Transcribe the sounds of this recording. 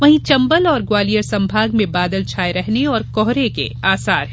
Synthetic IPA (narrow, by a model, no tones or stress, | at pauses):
ʋɐɦĩt͡ʃɐ̃mbəlɔːɾɡwaːlijəɾsɐ̃mbʱaːɡmẽbaːd̪əlt͡ʃʰaːeɾɛɦneɔːɾkɔɦɾekḛaːsaːɾ